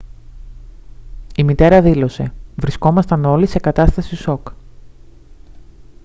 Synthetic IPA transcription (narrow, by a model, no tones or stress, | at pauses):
imit̪e̞ɾɐðilo̞se̞vɾisko̞mɐst̪ɐno̞lise̞kɐt̪ɐst̪ɐsiso̞k